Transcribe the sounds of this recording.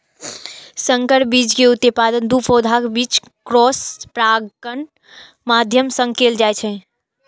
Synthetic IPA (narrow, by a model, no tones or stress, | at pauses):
səŋkəɾbid͡ʒkeut̪epad̪ənd̪upʰod̪ʱakbit͡ʃ | kɾɔspɾaɡən | mad̪ʱjəmsə̃ŋɡkeld͡ʒajt͡ʃʰɛ